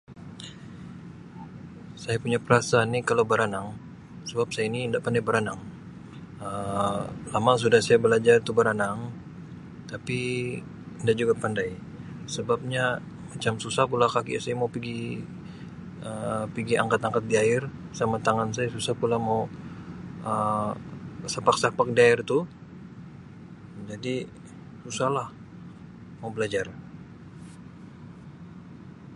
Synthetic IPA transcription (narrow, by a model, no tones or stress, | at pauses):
sajapuɲapəɾasanːikalawbəɾanaŋ | səbap̚sajainiːndaʔpandajbəɾanaŋ | ə | lamaŋs̬udahsajabəlad͡ʒart̪ubəɾanaŋ | t̪api | əndaʔd͡ʒuɡapandaj | səbap̚ɲa | mat͡ʃamsusahpulakakḭasajamaupiɡi | əpiɡiʔa̰ŋkat̪aŋkat̪̚diaɪrsamat̪aŋansajasusahpulamau | ə | sapak̚sapak̚diaɪrt̪u | d͡ʒadi | susahlah | maubəlad͡ʒar